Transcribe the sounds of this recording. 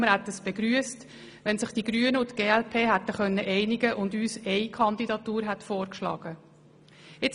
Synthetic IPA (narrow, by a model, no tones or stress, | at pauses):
məɾhɛt̪ːəsb̥ɛɡɾyəst | ʋɛnsɪχtiɡɾyənəʊt̪ɡ̥eːɛlpʰeːɦæt̪ːəχœnːəʔɛɪnɪɡəʔʊndyːsɛɪkʰɑnd̪idɑt̪uːɾɦɛtfoːɾkʃlɑ̰ːɡ̥ə | ɪt͡s